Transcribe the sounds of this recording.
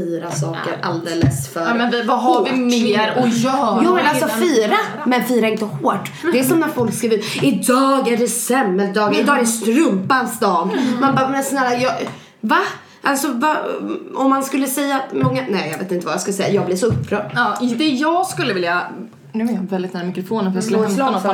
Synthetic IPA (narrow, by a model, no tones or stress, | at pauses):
iːɾasɑːkəɾʔa̰ld̪eːləsfœmɛnvɪvaɦaɔlvɪmɾɔjɑːvɛlalsɔfiːɾa | mɛnfiːɾaɪnt̪əhoːʈ | dd̪ɛsɔmnæɾfɔlkskavʉɪd̪ɑːɡæɖɛsɛmːɛl̚d̪ɑːɡaɾɪd̪ɑːɛɖɛst̪ɾɵmpansd̪ɑːmmanbaːɾmɛnasnɛɾajɑ | va | ʔalsɔvaɔmːanskɵlːəsɛjːat̪mɔŋːanɛɪjɑveːt̪ɪnt̪əvajskɵlːsɛ̰jːajɑːɡ̚blɪɾʂɔɵpʰːɾœ̰ːɖd̪ɛjɑːɡskɵlːəvɪlja | nʉɛjɑvɛlɪt̪næːɾmɪkɾɔfoːnənfəjɑslolnɔ